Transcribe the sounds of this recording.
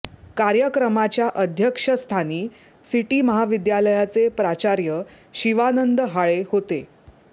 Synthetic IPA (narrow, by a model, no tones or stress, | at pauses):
kaɾjəkɾəmat͡ɕjaʔəd̪ʱjəkʂəst̪ʰaniː | siʈiːməɦaʋid̪jaləjat͡sepɾat͡ɕaɾjə | ɕiʋanənd̪əɦaɭehot̪e